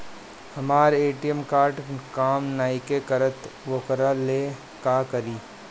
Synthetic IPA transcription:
hɐmaːɾeːʈijəmkaːɾʈkaːmnaːɪkekɐɾət̪ʋokɾaleː | kaːkɐɾiː

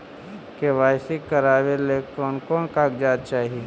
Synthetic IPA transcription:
keʋaːɪsɪkːəɾaːʋelekɔːnkɔːnkaːɡd͡ʒaːd̪̚t͡ʃaːɦie

